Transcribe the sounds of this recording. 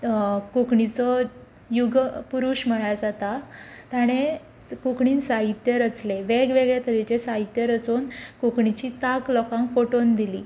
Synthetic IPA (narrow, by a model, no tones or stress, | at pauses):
kokɳit͡sɔ | juɡpuɾuɕm̤əɭajad͡zat̪a | t̪aɽ̃e | kokɳiːnsaɦit̪jəɾət͡sleʋeɡʋeɡɭet̪əd̪it͡ɕesaɦit̪jəɾət͡sonkokɳit͡ɕit̪aklɔkãŋkpoʈond̪ilḭː